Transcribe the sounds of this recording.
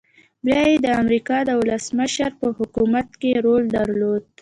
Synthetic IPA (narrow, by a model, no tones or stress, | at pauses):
bjɑjed̪əamɾikɑd̪əwʊləsməʃaɾpəhʊkumat̪keɾold̪aɾlod̪̚